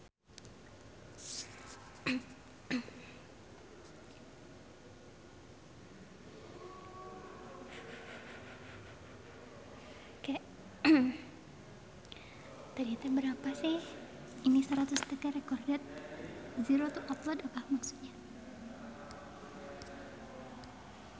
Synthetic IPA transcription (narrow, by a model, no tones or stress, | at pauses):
kajaʔ | t̪adit̪abəɾapasɪh | inisəɾat̪ust̪əkɛɾekɔrɡɛt̪̚ziɾot̪uʔɔt̪lɔdapahmaksu̥t̪̚ɲa